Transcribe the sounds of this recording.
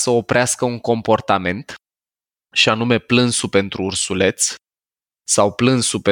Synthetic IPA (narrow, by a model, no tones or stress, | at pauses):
səopɾeaskəuŋko̞mpo̞rt̪ame̞nt̪ | ʃianume̞plɨnsupe̞nt̪ɾuːrsule̞t̪sʲ | sawplɨnsupe